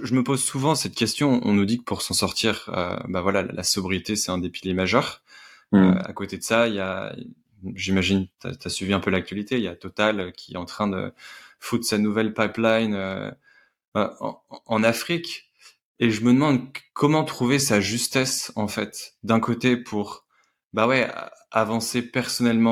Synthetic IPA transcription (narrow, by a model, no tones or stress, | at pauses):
ʒəməpozsuvɑ̃sɛt̪kʲɛst̪jɔ̃ɔ̰̃nud̪ikə̥pʰuʁsɑ̃sɔʁt̪iʁø̰bavwalal̰la̰sɔbʁit̪esɛ̥t̪ɛ̃d̪epiljemaʒœʁ | ø̰a̰kot̪ed̪əsaija | ʒimaʒint̪a̰t̪yasɥiviɛ̃pølak̚t̪ɥalit̪ejat̪ɔt̪aløkʲiɛ̰ɑ̃t̪χɛ̃d̪ə̰fut̪sanuvɛlpajplajnø̰ | ɑ̃nafχik | eʒəməd̪əmɑ̃d̪kʰɔmɑ̃t̪χuvesaʒyst̪ɛsɑ̃fɛt̪d̪ɛ̃kot̪epʰuʁ | bawɛ̰avɑ̃sepɛʁsɔnɛlmɑ̃